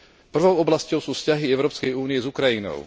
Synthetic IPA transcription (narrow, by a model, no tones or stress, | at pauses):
pr̩ʋɔʊɔblascɔʊsuːfscaɦiɛʊɾɔːpskɛjuːnijɛzukɾajinɔ̰ʊ